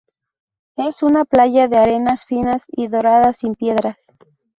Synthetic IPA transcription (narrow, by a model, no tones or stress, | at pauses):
e̞sunaplaʝaðeaɾe̞nasfinasiðo̞ɾaðasimpje̞ðɾas